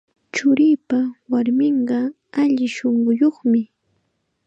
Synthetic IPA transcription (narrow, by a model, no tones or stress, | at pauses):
t͡ʃʊɾiːpawaɾmɪɴɢɑ | aʎɪʃoɴɢʊjoχmɪ